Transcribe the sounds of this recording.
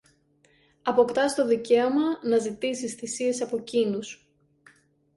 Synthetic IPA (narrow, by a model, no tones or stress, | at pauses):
ɐpo̞kt̪ɐst̪o̞ðice̞omɐnɐzit̪isisθisie̞sɐpo̞cinus